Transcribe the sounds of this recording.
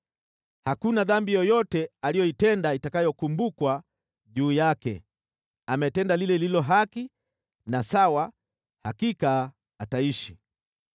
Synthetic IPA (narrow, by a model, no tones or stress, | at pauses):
hakunaðambijɔjɔtɛalijɔitɛndaitakajɔkumbukwa | ʄuːjakɛ̰ | amɛtɛndalilɛlilɔɦaki | nasawa | hakikaː | taiʃi